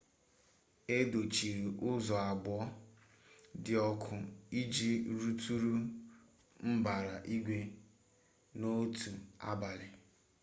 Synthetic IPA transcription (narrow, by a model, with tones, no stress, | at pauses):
e˦do˨t͡ʃi˨ɾi˨ʔʊ˦zɔ˨a˨ɡ͡bɔ˦ | dɪ˨ɔ˦kʰʊ˨i˦d͡ʒi˦ɾu˦tu˦ɾu˦ | m̩˦ba˨ɾa˨ʔi˦ɡʷe˨ | no˦tu˨a̰˦ba˨lɪ˨